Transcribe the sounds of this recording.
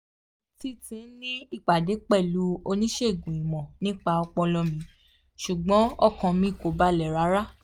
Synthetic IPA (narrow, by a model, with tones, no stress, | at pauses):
ti˧˦tĩ˨˦n̩˦nĩ˦i˦˨k͡pa˨de˨˦k͡pɛ˦˨lu˨˦o˧nĩ˦ʃe˦˨ɡũ˨i˨mɔ̃˨nĩ˦k͡pa˧ɔ˧k͡pɔ˧lɔ˧mĩ˨˧˦ | ʃu˨ɡ͡bɔ̃˨˦ɔ˦˨kɔ̃˧mĩ˨˦i˦˨ko˨ba˦lɛ˨ɾa˨˦ɾa˦